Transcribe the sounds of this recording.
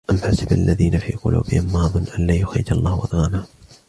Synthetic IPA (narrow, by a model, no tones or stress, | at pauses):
ʔamħasɪbʔalːaðiːnafḭːqʊ̰lʔṵːbɪhɪmːaːðˤʊnːʔanlaːjʊxɾɪ̰d͡ʒɑlˤːɑːhwʔɑ̰d̪ˤɣɑːmaː